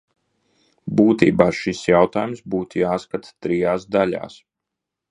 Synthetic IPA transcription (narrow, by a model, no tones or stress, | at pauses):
buːt̪ḭːbaːʃisjawt̪aːjumsbuːt̪jaːskat̪t̪ɾijaːsd̪ala̰ːs